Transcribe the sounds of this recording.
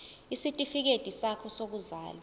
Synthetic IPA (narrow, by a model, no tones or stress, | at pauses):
isitʼifik̬ed̥ʱʼisakʰɔsok̬uza̰ːlɔ